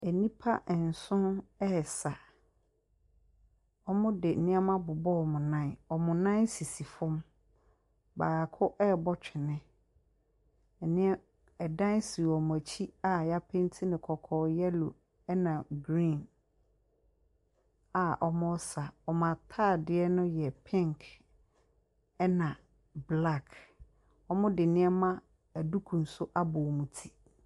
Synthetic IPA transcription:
ɛ˨nĩ˦pʰa˦ʔn̩˨sʊ̃˦nɛ˦˨sa˨ | ɔ˦mʊ̃˦dɪ˨nɪ̃˦a˦mã˦bʊ˨bɔ˦˨mʊ̃˨nã˦˨nɔ˨mʊ̃˨nã˦n˦si˨si˨fʊ̃˦m | baː˨a˨kʰʊ˦ʔɛ˦˨bɔ˦t͡ɕᶣɪ˨nɪ̃˦˨ | nɪ̃˦ | ɛ˨dã˦n˦si˨ɔ˨m˨æ˨t͡ɕʰi˦a˨ja˦pʰɪ̃˦n˦tʰi˦nɪ̃˨kʰɔ˨kʰɔː˨jɛ˦lo˨ | ɛ˦nã˨ɡɾĩ˦˨n | a˨ʔɔ˨mʊ̃˦sa˨ɔ˨mã˨tʰa˦˨dɪ˨ɛ˦nʊ̃˦jɛ˨pʰɪ̃˦˨ŋkʰ | ɛ˦nã˨ | bla˦˨kʰ | ɔ˦mʊ̃˦dɪ˨nɪ̃˦ɛ˦mã˦ | æ˨du˦kʰũ˨n̩˨sʊ˦ʔa˦bʊ˨mũ˨tʰi̥˨

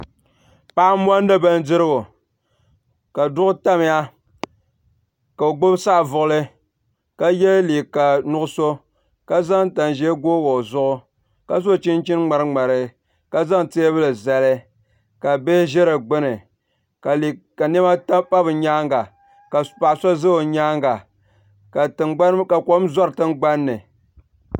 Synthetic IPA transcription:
pa˦mwa˦n˦da˦ba˦n˦dɨ˦ɾɨ˦ɡo˨ | ka˨dʊ˦ʔʊ˦ta˦m˨˦ja˦ | ka˨o˨ɡ͡bo˦bsa˦˨vʊ˨ʔʊ˦lɨ˦ | ka˦jɛ˦li˨ka˨nʊ˦ʔʊ˦so˦ | ka˦za˦ŋ˦ta˨n˨ʒɛ˦ɡoː˦wo˨zʊ˦ʔʊ˦ | ka˦zo˦˨t͡ʃi˦n˦t͡ʃi˦nŋ͡ma˨ɾɨ˦ŋ͡ma˨ɾɨ˨ | ka˦za˦ŋte˦e˦bɨ˦lɨ˨za˦lɨ˦ | ka˨be˦ʒɛ˦ɾa˨ɡ͡bɨ˦nɨ˨ | ka˨i˨ka˨nɛ˦ma˦ta˦pa˦bɨ˨ɲaː˦ŋɡa˨ | ka˨pa˨ʔso˦zɨ˦o˨ɲaː˦ŋɡa˨ | a˨˦ka˨ko˦za˦ɾɨ˨tɨ˦ŋɡ͡ba˦nːɨ˨

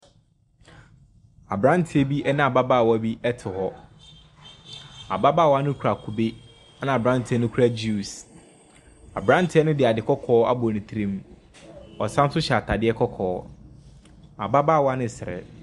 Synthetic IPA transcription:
a̰˨bɾã˦n˦tʰɪ˨˦ɛ˨bi˦ʔɛ˦nã˦˨a˨ba˦ba˦˨wɔ˨˦˨bi˦ɛ˦tʰɪ˨hɔ˦ | a˨ba˦baː˦˨wɔ˦a˦nʊ̃˦kʰu˨ɾa˨kʰu˨be˦ | a˦nã˨a˨bɾã˦n˦tʰɪ˨˦ɛ˦nʊ̃˦kʰu˨˦a˦d͡ʑu˦˨s | a̰˨bɾã˦n˦tʰɛ˦nʊ̃˦dɪ˨a˨dɪ˨kʰɔ˦kʰɔː˦a̰˦bʊ˨nĩ˨tʰɾĩ˦m | ɔ̰˨sã˦n˦sʊ˦ɕɛ˨a˨tʰa˨dɪ˦ɛ˦kʰɔ˦kʰɔː˨˦ | a˨ba˦ba˦˨wɔ˦a˦nɪ̃˨sɪ˨ɛ̰˨

